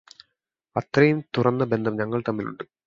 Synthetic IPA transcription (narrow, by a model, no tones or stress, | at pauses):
ɐt̪rɐjumt̪urɐnːɨbe̞nd̪ʱɐmɲɐŋːɐɭt̪ɐmːilṵɳɖɨ